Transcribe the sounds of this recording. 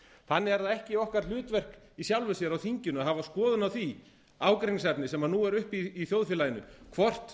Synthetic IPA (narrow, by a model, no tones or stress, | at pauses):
θanːɪɛɾðaɛhcɪɔhkaɾlʏːt̪vɛr̥k | isjawlvʏsjɛɾawθiɲcʏnʏaɦavaskɔːðʏnawθi | aːwkɾiŋsɛpnɪsɛmanːuːɛɾʏhpiːθjowðfjɛlajɪnʏkʰvɔr̥t̪